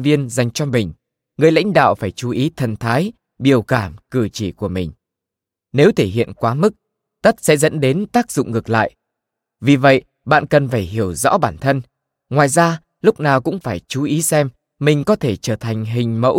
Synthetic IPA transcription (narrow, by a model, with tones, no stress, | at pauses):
vi˧ənza˨˩jŋ̟t͡ɕɔ˧mï˨˩ŋ̟ | ŋɨ˨˩əjla̰˧˥jŋ̟ɗa̰ː˧˨wfaː˧˩jt͡ɕu˨˦ʔi˨˦t̪ʰə˨˩nt̪ʰaː˨˦j | ɓi˨˧˩əwkaː˧˩mkɨ˧˩t͡ɕi˧˩ku˧˩əmï˨˩ŋ̟ | ne˨˦wt̪ʰe˧˩ɦḭ˧˨ənkwaː˨˦mɨ˦˥k̚ | t̪ə˦˥t̚sɛ̰˧˥zə̰˧˥nɗe˨˦nt̪aː˦˥k̚zʊ̰˧˨ŋ͡mŋɨ˨˩ək̚la̰ː˧˨j | vi˨˩və̰˧˨j | ɓa̰ː˧˨nkə˨˩nfaː˧˩jɦi˧˩əwzɔ̰˧˥ɓaː˧˩nt̪ʰə˧n | ŋwaː˨˩jzaː˧ | lʊ˦˥k͡p̚naː˨˩wkʊ̰˧˥ŋ͡mfaː˧˩jt͡ɕu˨˦ʔi˨˦sɛ˧m | mï˨˩ŋ̟kɔ˨˦t̪ʰe˧˩t͡ɕəː˧˩t̪ʰa˨˩jŋ̟ɦï˨˩ŋ̟mə̰˧˥w